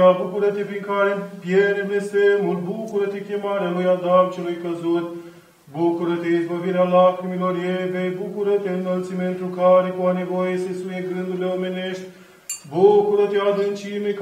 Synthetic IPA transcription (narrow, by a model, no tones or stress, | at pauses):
abukuɾɐt̪efiŋkaːɾepijeɾelesemulbukuɾət̪ekʲemaɾalujad̪amt͡ʃelujkəzut̪ | bukuɾət̪eizbɐviɾealakɾimiloɾjevebukuɾɐt̪eɨnəlsimpent̪ɾukaɾekuanevojesesujeɡɨnd̪uleomeneʃt̪ʲ | bukuɾət̪eazɨnt͡ʃimek